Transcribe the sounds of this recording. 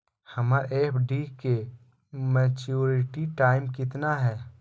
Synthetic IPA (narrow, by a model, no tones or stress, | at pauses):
həmaɾʔeːpʰɖike | mɛːt͡ʃuːɾɪʈiʈaːɪmkɪt̪naɦɛː